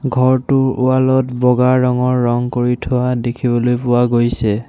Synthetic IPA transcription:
ɡʱɔɹtʊɹʊwalɔtbɔɡaɹːɔŋɔɹːɔŋkoɹitʰʊwadekʰibɔlojpʊwaɡojsɛ

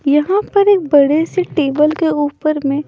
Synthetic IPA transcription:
jɐɦãpɐɾeːk̚bɐɽeseʈeːbəlkeuːpəɾmẽ

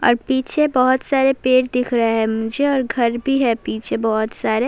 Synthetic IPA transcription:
ɔ̰ːɾpiːt͡ʃʰebɔɦʊt̪saːɾepeːʈd̪ɪkʰɾəɦeɦɛmʊd͡ʒeɔːɾɡʱɐɾbʱiɦɛpiːt͡ʃʰebɔɦʊt̪saːɾe

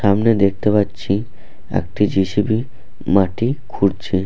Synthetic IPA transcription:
ʃamned̪ek̚t̪epatːɕʰi | ḛk̚ʈid͡ʑiʃibi | maʈikʰuɖt͡ɕʰi

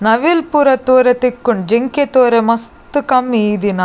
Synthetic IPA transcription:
nɐʋilpuːɾɐt̪oːɾet̪ikːuɳɖd͡ʒeŋket̪oːɾemɐst̪ukɐmiːd̪inɐ

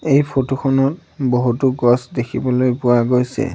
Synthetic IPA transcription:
ejpʰotoxʰɔnɔt | boɦutuɡɔsdekʰibɔlojpʊwaɡojsɛ̰

